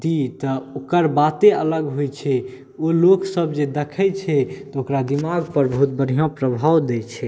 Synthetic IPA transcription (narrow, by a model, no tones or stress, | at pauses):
d̪it̪əokəɾbat̪eələɡɦojt͡ʃʰɛ | oloksəbd͡ʒed̪ekʰɛt͡ʃʰɛt̪ɔokɾad̪imaɡpəɾbəɦut̪̚bəɾijãpɾəbʱawd̪ɛt͡ʃʰɛ